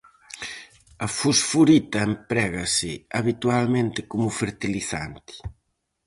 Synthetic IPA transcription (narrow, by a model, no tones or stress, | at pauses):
ɐfusfuɾit̪ɐempɾɛɣɐsɪaβit̪ualmẽnt̪ɪkomʊfeɾt̪iliθa̰nt̪ɪ̥